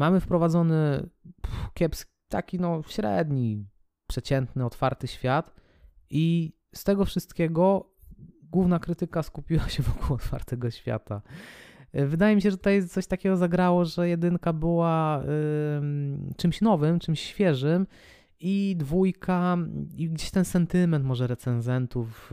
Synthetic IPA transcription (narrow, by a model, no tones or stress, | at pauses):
mamɘfpɾɔvad̪zɔnɘpkʲɛpskʲi̥t̪a̰kʲinɔɕɾɛ̰d̪ɲi | pʂɛt͡ɕɛnt̪nɘɔt̪faɾt̪ɘɕfʲjat̪ | ʔi | st̪ɛɡɔfʂɘst̪kʲɛɡɔ | ɡwuvnakɾɘt̪ɘkaskupʲiwaɕɛvɔkuwɔt̪fa̰ɾt̪ɛɡɔɕfʲja̰t̪a | vɘd̪ajɛmʲiɕ̬ɛʐɛt̪ut̪ajt̪sɔɕt̪akʲɛɡɔzaɡɾawɔʐɛjɛd̪ɘŋkabɘwa | t͡ʂɘmɕnɔvɘmt͡ʂɘmɕːfʲjɛʐɘm | id̪vujkʰaiɡd͡ʑeɕt̪ɛnsɛnt̪ɘmɛnt̪mɔʐɛɾɛt̪sɛnzɛnt̪uf